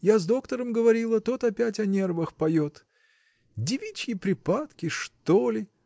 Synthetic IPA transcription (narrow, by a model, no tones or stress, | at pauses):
jazd̪o̞kt̪əɾəmɡəvɐɾʲilˠət̪o̞t̪ɐpʲætʲɐnʲe̞rvəxpɐjo̞t̪ | dʲɪvʲit͡ɕkʲɪpɾʲɪpat̪kʲɪʂt̪olʲɪ